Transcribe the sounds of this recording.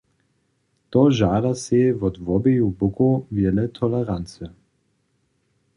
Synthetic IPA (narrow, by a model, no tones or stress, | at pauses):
t̪ɔʒaːdasevɔdvɔbejubʊkovjɛlɛt̪ʰɔlɛʁant͡sə